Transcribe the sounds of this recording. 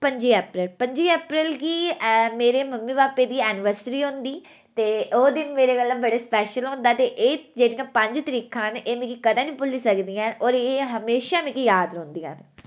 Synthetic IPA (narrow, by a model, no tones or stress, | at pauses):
pəɲd͡ʒiːɛːpɾɪlpəɲd͡ʒiːɛːpɾɪlkiːmeːɾeːməmːiːbaːpːeːd̪iːɛːnɪʋəɾsɪɾiːɦõnd̪iː | t̪eːoːd̪ɪnmeːɾeːɡəlːãbəɽeːspɛːʃəlɦõːnd̪aːt̪eːʔeːd͡ʒeːɽijãːpəɲd͡ʒt̪əɾiːkʰãːneːmẽːkikəd̪ãːnĩːpʊliːsəkd̪ijãːɔːɾeːɦəmeːʃaːmẽːkijaːd̪ɾõːnd̪ijã̰ːn